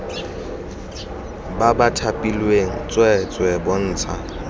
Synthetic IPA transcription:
babatʰapʼilweŋ̩t͡sʼwɛt͡sʼwɛbɔn̩ːt͡sʰa

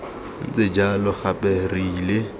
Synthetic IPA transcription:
n̩t͡sʼed͡ʒalɔχapɛriːle

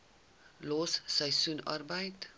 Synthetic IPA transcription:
lossajsunʌ̰rbajt̪

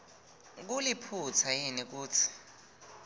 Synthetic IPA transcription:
k̬ulipʰut͡sʰajinik̬uːt͡sʰi̥

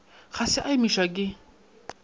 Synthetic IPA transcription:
ɣasɪʔaimiʃak̬ʼɪ

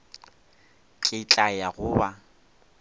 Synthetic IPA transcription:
kʼɪt͡ɬʼajaɣʊːba

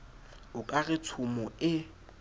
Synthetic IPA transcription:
ʊkʼaɣɪtʰʊmɔɪ

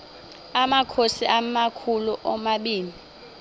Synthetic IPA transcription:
amakʰosiʔamakʰuluʔɔmaɓiːni

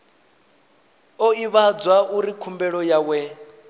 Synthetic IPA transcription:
ɔiβad͡zwauɾikʰumbɛɺɔjawɛ

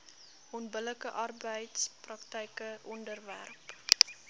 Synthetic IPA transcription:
ʔɔnbələkəʔɑrbəjtsprɐktɛjkəʔɔndərvæ̰rp

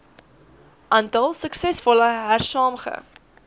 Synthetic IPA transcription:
ʔɑntɐlˠsəksɛsfɔləɦærsɑːmχə̰

